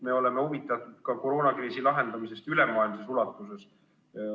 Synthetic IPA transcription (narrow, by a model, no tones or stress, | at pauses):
me̞o̞lemeuvit̪ːˑɑt̪ud̪̥kɑko̞ɾo̞ːnɑkriːsilɑɦe̞nd̪̥ɑmise̞st̪ylemɑːilmse̞sulɑt̪ːˑuse̞s